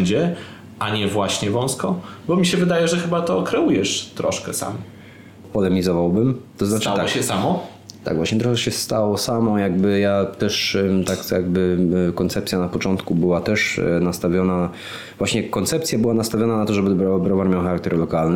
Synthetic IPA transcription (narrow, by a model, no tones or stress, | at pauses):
ɲd͡ʑɛ | ʔaɲɛvwaɕɲɛvɔ̃w̃skɔbɔmʲiɕɛvɘd̪ajɛʐɛxɘbat̪ɔkɾɛujɛʂt̪ɾɔʂkɛsa̰m | pɔlɛmʲizɔvawbɘmt̪ɔznaʈ͡ʂ̪at̪aɔɕɛsamɔ | t̪a̰ɡvwaɕɲɛt̪ɾɔxɛɕɛst̪awɔsamɔjaɡ̚bɘjat̪ɛʂt̪akjaɡbɘkɔnt̪sɛp̚t̪sʲjanapɔt͡ʂɔnt̪kubɘwat̪ɛʂnast̪avʲjɔna | vwaɕɲɛkɔnt̪sɛp̚t̪sʲjabɘwanast̪avʲjɔnanat̪ɔʐɛbɘd̪bɾɔbɾɔvaɾmjawxaɾak̚t̪ɛɾlɔkalnɘ